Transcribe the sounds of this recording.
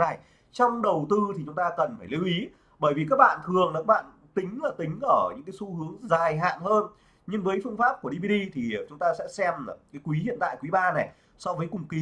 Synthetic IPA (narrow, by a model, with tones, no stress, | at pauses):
a˧˨˩j | t͡ɕɔ˧wŋ͡mɗə˨˩wt̪ɨ˧t̪ʰi˨˩t͡ɕʊ˨˦ŋ͡mt̪aː˧kə˨˩nfaː˧˩jli˨˦wʔi˨˦ | ɓəː˧˩jvi˨˩kaː˦˥k̚ɓa̰ː˧˨nt̪ʰɨ˨˩əŋla˨˩kaː˦˥ɓa̰ː˧˨n | t̪ï˨˦ŋ̟laː˨˩t̪ï˨˦ŋ̟ʔəː˧˩ɲɨ̰˧˥ŋkaː˨˦jsu˧hɨ˨˦əŋzaː˨˩jɦa̰ː˧˨nhəː˧n | ɲɨ˧ŋvəː˨˦jfɨ˧əŋfaː˦˥p̚ku˧˩ə˩ɗi˧ɓi˧ɗi˧t̪ʰi˨˩˨t͡ɕʊ˨˦ŋ͡mt̪aː˧sɛ̰˧˥sɛ˧m˨˩kaː˨˦jkwi˨˦ɦḭ˧˨ənt̪a̰ː˧˨jkwi˨˦ɓaː˧na˨˩j | sɔ˧vəː˨˦jkʊ˨˩ŋ͡mki˨˦